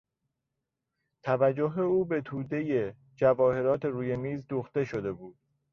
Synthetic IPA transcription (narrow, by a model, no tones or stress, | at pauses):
t̪ʰævæd͡ʒːoɦeuːbe̞t̪ʰuːd̪e̞je̞ | d͡ʒævɒːhe̞ɾɒːt̪ʰe̞ɾuːje̞miːzd̪uːxt̪e̞ʃo̞d̪e̞buːd̪̥̚